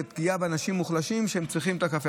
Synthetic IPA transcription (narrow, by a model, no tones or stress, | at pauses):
epkijabeanaʃimːuχlaʃimʃehemsʁiχimet̪akafe